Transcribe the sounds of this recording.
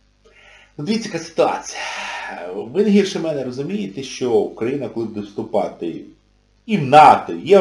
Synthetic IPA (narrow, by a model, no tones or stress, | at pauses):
nud̪ʲʋʲit͡sʲːɐkasɪ̥t̪ʊɑ̰t͡sʲi̥jɐ | ʋɪnɐɦirʃɪmɛnɛrɔzʊmʲijɪt̪ɛʃt͡ʃɔukɾɐjinɐkɔlˠɪbud̪ɛwst̪ʊpɑ̰t̪ɪ̰ | iwnɑt̪ɔijɛ